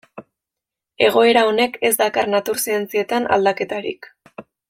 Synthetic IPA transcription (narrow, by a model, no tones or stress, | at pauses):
e̞ɣ̞o̞e̞ɾao̞ne̞ke̞zd̪akarnat̪uɾsie̞nt͡sie̞t̪ana̰ld̪ake̞t̪aɾḭk